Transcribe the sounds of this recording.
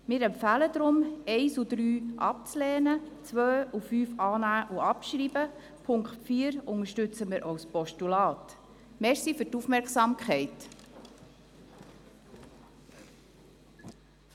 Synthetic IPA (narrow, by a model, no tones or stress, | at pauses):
mɪːɾɛmpfæːləd̪ɾʊmɛɪsudɾyːʔɑ̰p̚t͡slɛːnət͡sʋœːufyːfɑːnæːʔuɑpʃɾiːbə | pʰʊŋkχtfiːəɾʊŋəʃtʉt͡səmɪɾʔawspɔʃtulɑːt | mɛɾsifyɾtufmɛɾksɑmkχɛɪt